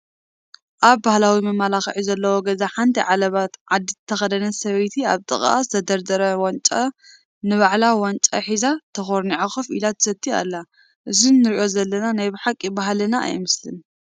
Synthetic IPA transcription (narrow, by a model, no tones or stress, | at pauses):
ʔaβbahlawimɐmalaxɐʕizɐlːɐwoɡɐzaħant̪ʰiʕalɐβat̪ʕad̪ːit̪ʰɐxɐd̪ɐnɐsɐβɐjt̪ʰia̰βt̪ʼɨχʼʔa̰st̪ʰɐd̪ɐɾd̪ɐɾɐwant͡ʃʼɐ | nɨβaʕlawant͡ʃʼɐ̰ħizat̪ʰɐxoɾniʕaxɨfḭlat̪ʰɐ̥sɐt̪ʰːia̰lːa | ʔɨzinɨɾiʔo̞zɐlːɐnanajbɨħakʼːibaɦalɐnaa̰jmɨslɨ̰n